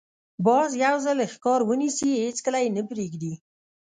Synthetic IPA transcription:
bɑzjawzalxkɑɾwənisihet͡skəlajenəpɾeɡd̪i

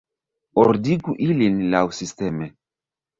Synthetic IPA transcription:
oɾdiɡuʔilinlawsisteme

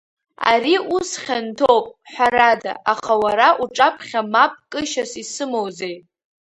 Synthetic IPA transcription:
a̰ɾiusχʲantʰowpʼħʷaɾada̰ʔaχawaɾaʔuʈ͡ʂʼapʰχʲamap̚ʼkʼɨʃasisɨmowzej

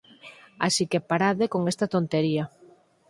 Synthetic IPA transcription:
a̰sikepaɾaðekoŋest̪at̪ont̪eɾia

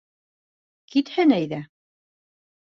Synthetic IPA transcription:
kit̪hɘnæjðæ

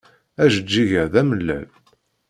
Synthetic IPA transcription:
æʒəd͡ʒːiʝəɾðæməlːæ̰l

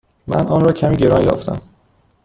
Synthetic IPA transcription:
mæ̰nʔɒːnɾɒːcʰæmiːɟeɾɒːnjɒ̰ːft̪ʰæ̰m

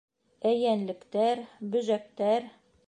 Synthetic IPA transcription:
æjænlɘ̆kt̪æɾbɵ̆ʒæk̚t̪æɾ

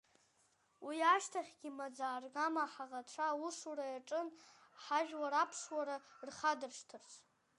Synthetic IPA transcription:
wiaʂtʰaχʲɡʲɪmad͡zaːrɡamaħaʁaʈ͡ʂʷʰauʂuɾajaʈ͡ʂʼɨnħaʒᶣwaɾapʰʂwaɾarχadɨrʂtʰɨrt͡sʷʰ

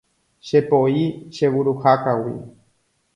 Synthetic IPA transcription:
ʃe̞poiʃe̞wuɾuhakawḭ

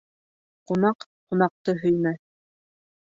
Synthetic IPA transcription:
qunɑq | qunɑq̚t̪ɤɦɵ̆jmæ

